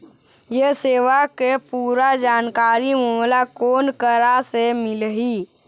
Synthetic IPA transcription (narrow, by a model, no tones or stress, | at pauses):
jeseːʋakepuːɾad͡ʒaːnkaːɾimumlakoːnkəɾasemɪlɦi